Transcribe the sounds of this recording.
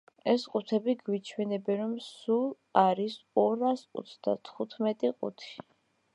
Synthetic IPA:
ɛsqʼut̪ʰɛbiɡwit͡ʃʰwɛnɛbɛnɾɔmsulˠ | aɾisɔɾasʼɔ̰t̪sd̪̥a̰t̪ʰχut̪ʰmɛt̪ʼiqʼṵt̪ʰi̥

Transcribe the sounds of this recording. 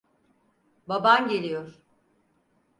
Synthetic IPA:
babanɟe̞lʲijoɾ̥

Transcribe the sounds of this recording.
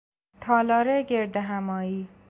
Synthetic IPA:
t̪ʰɒːlɒːɾeɡeɾd̪eɦæmɒːiː

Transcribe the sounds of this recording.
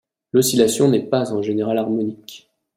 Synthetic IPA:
lɔsilasjɔ̃nɛpazɑ̃ʒeneʁalaʁmɔnik

